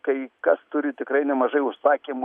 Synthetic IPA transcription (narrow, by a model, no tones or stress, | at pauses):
kɐɪkɐst̪ʊɾʲɪt̪ʲɪkɾɐɪnʲɛmɐʒɐɪʊʃsɑːkʲeːmʊ